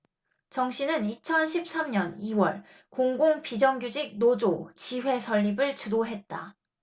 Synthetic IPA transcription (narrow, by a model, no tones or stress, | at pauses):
t͡ɕʌŋɕʰinɯnit͡ɕʰʌnɕʰip̚s͈amɲʌniwʌ̰ɭ | koŋɡoŋpid͡ʑʌŋɡjud͡ʑik̚nod͡ʑot͡ɕiɸwe̞sʰʌʎːibɯɭt͡ɕudoɦe̞t̚t͈a